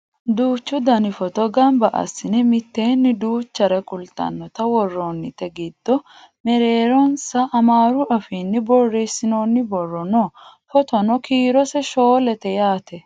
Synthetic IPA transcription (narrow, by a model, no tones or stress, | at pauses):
d̪uːt͡ʃːʊd̪ɐnɪfɔt̪ɔɡɐmbɐʔɐ̰sːɪnɛmɪt̪ːe̞ːnːɪd̪uːt͡ʃːɐɾɛkʼʊlt̪ʼɐ̰nːɔt̪ɐwɔrːɔnːɪt̪ɛɡid̪̥ːɔ | mɛɾeːɾɔnsɐʔːmaːɾʊʔɐfiːnːɪbɔrːeːsɪnoːnːɪbɔrːɔnoːfɔt̪ɔnɔkiːɾɔsɛʃoːlɛt̪ɛjaːt̪ɛ